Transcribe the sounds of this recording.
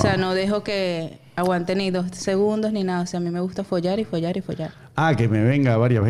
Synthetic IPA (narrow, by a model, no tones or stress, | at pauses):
oseano̞ðe̞ɦo̞ke̞ | aɣwant̪eniðo̞sse̞ɣund̪o̞sninaðaoseamime̞ɣust̪afoʝaɾifoʝaɾifoʝaɾ | akemeβeŋɡaβaɾjaβe